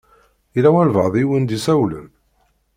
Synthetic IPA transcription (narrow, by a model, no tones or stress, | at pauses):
iɾæwænvəʁðˤiwənd̪isæwlə̰m